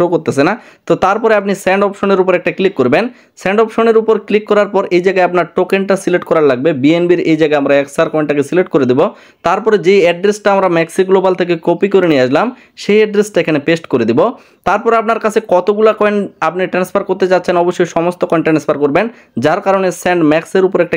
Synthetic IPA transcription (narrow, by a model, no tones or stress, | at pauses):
okoɾt̪esʰena | t̪ot̪aɾpɔɾeap̚nisɛɳɖɔpʃoneɾupoɾɛk̚ʈaklikːoɾben | sɛɳɖɔpʃoneɾupoɾklikːɔɾaɾpɔɾʔejd͡ʑaɡaeapnaɾʈokeɳʈasileʈkɔɾaɾlaɡ̚bebienbiɾejd͡ʑaɡaeamɾaɛksaɾkɔẽɳʈakesileʈkoɾed̪ibo | t̪aɾpɔɾed͡ʑeɛɖɾesʈaamɾamɛksiɡulobalt̪ʰek̬ekopikoɾeniaʃlam | ʃejɛɖɾesʈaekʰanepesʈkoɾed̪ibo | t̪aɾpɔɾapnaɾkat͡ɕʰekɔt̪oɡulakɔeɳap̚niʈɾanspʰaɾkoɾt̪et͡ɕatːɕʰenɔboʃːojʃɔmost̪okɔeɳʈɾenspʰaɾkoɾben | d͡ʑaɾkaɾonesɛɳɖmɛkseɾupoɾɛk̚ʈa